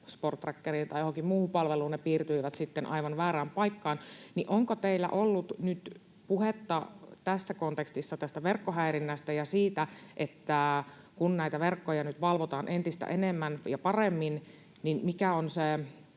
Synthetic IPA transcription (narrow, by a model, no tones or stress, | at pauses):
sport̪ːrækːeriːnt̪ɑjoɦoŋkimmuːpɑlʋeluːnnepiːrt̪yiʋæt̪sit̪ːenʔɑ̰iʋɑnʋæːɾæːmpɑikːɑːnniʔoŋkot̪eilːæ̰ʔolːut̪nyt̪ | puhet̪ːɑt̪æsːækont̪ekst̪isːɑt̪æst̪æʋerkːoɦæiɾinːæst̪æjɑsiːt̪æʔet̪ːæ | kunnæit̪æʋerkːojɑnyt̪ʋɑlʋot̪ɑːnʔent̪ist̪æ̰ʔenemːænjɑpɑremːin | ninmikæonse